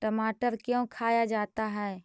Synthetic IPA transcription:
ʈəmaːʈəɾkjõːkʰaːjad͡ʒaːt̪aɦɛː

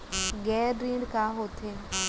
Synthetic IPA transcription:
ɡɛːɾɾiːɳɖkaːɦoːt̪ʰeː

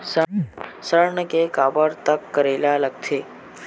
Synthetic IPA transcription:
səsəɾɳəkekabəɾt̪əkːəɾelalək̚t̪ʰe

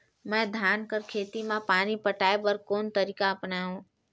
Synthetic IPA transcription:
mɛ̃ːd̪ʱjaːnkəɾkʰeːt̪imãpaːnipəʈaːebəɾkoːnt̪əɾiːkaəpnaːɦũː

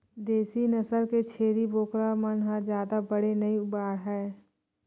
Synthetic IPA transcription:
d̪eːsinəsəɾket͡ʃʰeːɾiboːkɾamənɦad͡ʒjaːd̪abəɽenɐiʊbaːɽɦɛː

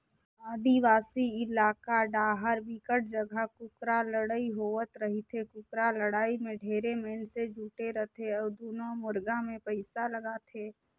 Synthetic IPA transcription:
aːd̪iʋaːsiɪlaːkaɖaːɦəɾʋɪkəʈ̚d͡ʒəɡʱəkʊkɾaləɽaiɦoːʋət̪ɾəɦit̪ʰekʊkɾaləɽaːimẽɖʱeːɾemeːnsed͡ʒʱuːʈeɾət̪ʰeɔːd̪oːnomʊɾɡamẽpəɪsaləɡaːt̪ʰeː

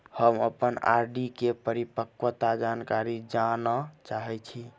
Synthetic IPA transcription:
həmə̰pəna̰ɾɖikepəɾipəkwət̪ad͡ʒankaɾid͡ʒanɔt͡ʃaɦɛt͡ʃʰi

